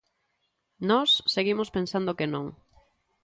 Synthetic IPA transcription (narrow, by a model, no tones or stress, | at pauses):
nɔsːeɣimospẽnsand̪okenõŋ